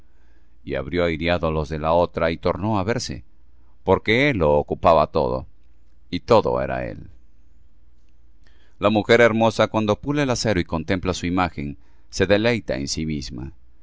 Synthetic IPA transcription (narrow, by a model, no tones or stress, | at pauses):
ia̰βɾjo̞ajɾjaðolo̞zðe̞lao̞t̪ɾait̪o̞ɾno̞aβe̞ɾse̞̰ | po̞ɾke̞elːo̞ːkupaβat̪o̞̰ðo̰ | it̪o̞ðo̞̰ḛɾa̰e̞̰l | lamuxe̞ɾe̞ɾmo̞sakwand̪o̞puleelase̞ɾoiko̞nt̪e̞mplasuimaxe̞n | se̞ðe̞le̞jt̪aensimizma̰